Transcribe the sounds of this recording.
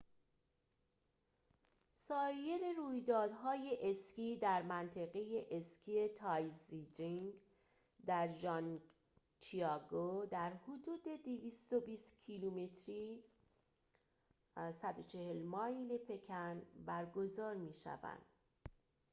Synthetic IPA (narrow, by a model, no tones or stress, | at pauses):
sɒːje̞ɾeɾuːjd̪ɒːd̪ɦɒːje̞ʔeskiːd̪æɾmænt̪ʰeɣe̞je̞ʔescʰie̞t̪ʰɒjzidiŋ | d̪æɾʒɒn | t͡ʃʰiɒɡod̪æɾhod̪uːd̪e̞d̪iviːst̪obiːst̪cʰilumet̪ʰɾiː | sæd̪o̞t͡ʃʰe̞helmɒːjle̞pʰe̞cʰænbæɾɡo̞zɒːɾmiːʃæ̰væ̰nd̪̥